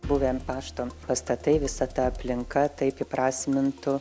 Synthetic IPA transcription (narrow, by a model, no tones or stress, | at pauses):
buːʋʲempɑːʃt̪oːmpɐst̪ɐt̪ɐɪʋʲɪsɐt̪ɐɐpʲlʲɪŋkɐt̪ɐɪpɪpɾɑːsʲmʲɪnt̪ʊ